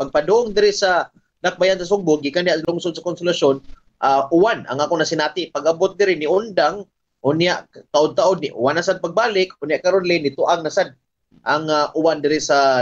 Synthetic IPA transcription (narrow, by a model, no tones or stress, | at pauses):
paɡ̚pad̪ʊʔʊŋd̪ɪɾɪsa | nak̚bajansas̬ʊŋbʊɡɪkanɪaʔslʊŋsʊd̪̚sakʊnsʊlaʃon | ʔaʔʊwana̰ŋaːkʊnasɪnaːt̪ɪpaɡabʊt̪̚d̪ɪɾɪnɪʊnd̪aŋ | ʔʊnjaʔt̪aʔʊd̪̚t̪aʔʊd̪̚nɪʔʊ̰wanːasad̪̚paɡ̚baːlɪkʊnjaʔkaɾʊnlɪnɪt̪ʊʔaŋ̚nasad̪̚ | ʔaŋaʔʊwand̪ɪɾɪsa